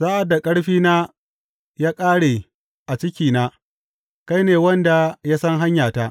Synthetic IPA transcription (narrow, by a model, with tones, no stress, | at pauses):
saː˦ʔa˨dːa˨kʼɐ˦ɽɸiː˦naː˦ | jaː˦kʼaː˦ɽe˨ | ʔa˨t͡ʃɪ˦kʲiː˨naː˦ | ka˦jneː˨wɐ˦nda˨ja˦sɐ˦ŋɦa˦ɲjaː˨ta˦ʔ